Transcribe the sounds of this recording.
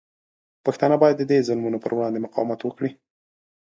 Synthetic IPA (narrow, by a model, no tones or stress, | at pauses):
paxt̪ɑnabɑjad̪ːəd̪ezʊlmunopə̰ɾwɽɑnd̪emʊqɑ̰wamat̪wəkɽi